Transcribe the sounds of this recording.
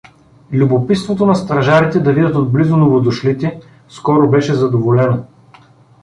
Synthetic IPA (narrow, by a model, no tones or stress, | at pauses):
lʲubopit̪st̪vot̪onɐst̪ɾɐʒaɾit̪ɛd̪ɐvid̪ʲɐt̪od̪̚blizʊnovod̪ʊʃlit̪ɛ | skɔɾobɛʃɛzɐd̪ovolɛno